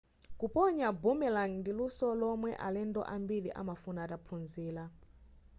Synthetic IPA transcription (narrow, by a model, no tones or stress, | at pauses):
kupʼɔɲabumɛlaŋndilusɔlɔmwɛʔa̰lɛndɔ̰ʔambiliʔa̰mafunatapʰunziːla